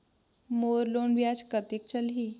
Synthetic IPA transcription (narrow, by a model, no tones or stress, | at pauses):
moːɾloːnʋjaːd͡ʒkət̪ek̚t͡ʃəlɦiː